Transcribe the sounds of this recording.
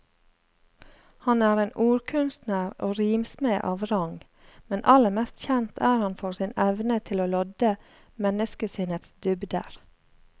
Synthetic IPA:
hɑnæːɾeːnʔuːɾkʰʉnst̪nəɾo̰ːɾiːmsmeːʔɑːʋɾɑŋ | mɛnʔɑləɾmɛst̪çɛnt̪ʰæːɾhɑnfɔːɾsɪnɛʋnət̪ʰɪloːlɔd̪ə | mɛnəskəsɪnət̪sd̪ʏbd̪ə̰ɾ

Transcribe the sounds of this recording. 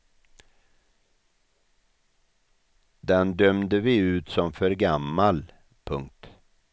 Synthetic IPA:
d̪ɛnd̪œmd̪əvɪʉ̟ːt̪sɔmfœɾɡamːal | pʰɵŋk̚t̪

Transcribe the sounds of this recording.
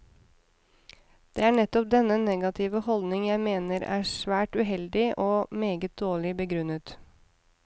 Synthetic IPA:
d̪̥ḛːæːɳɛt̪ɔp̚d̪ɛnənɛɡɑt̪ʰɪʋəhɔld̪nɪŋjæɪmeːnəɾæ̰ːsʋæːʈʉɦɛld̪ɪʔoːmeːɡət̪̚d̪̥oːɭɪbəɡɾʉnət̪

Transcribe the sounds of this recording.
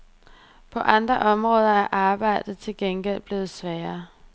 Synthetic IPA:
pʰɒ̽ʔɑ̈nd̥ʁɐʔɒ̽mʁɔ̽ːð̞ˠɐæɐʔɑ̈ːb̥ɑ̈ɪ̰d̥ð̩ˠt͡sʰe̝lɡ̥enɡ̥el̰b̥le̝ːð̞̩ˠsʋɛːɐ

